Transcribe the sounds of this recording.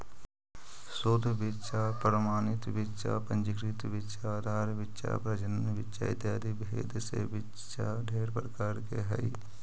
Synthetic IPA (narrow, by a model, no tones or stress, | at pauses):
sod̪ʱbɪtːʃapəɾəmaːnɪt̪ʋɪtːʃa̰pə̃nd͡ʒəkɾɪt̪ʋɪtːʃaːd̪ʱaːɾʋɪtːʃa̰pɾɐd͡ʒənnʋɪtːʃa̰ɪ̰t̪jaːd̪ʱibḛːd̪sḛʋɪt | ʃa | ɖʱeːɽpɾəkaːɾkeɦɛ̰i